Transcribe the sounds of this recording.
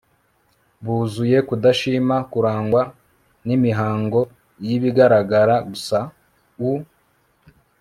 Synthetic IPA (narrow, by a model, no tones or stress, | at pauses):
βuːzuje̞kudaʃiːmakuɾaːŋɡwa | nimiɦaːŋɡo̞ | jiβiɡaɾaɡaɾaɡusa | u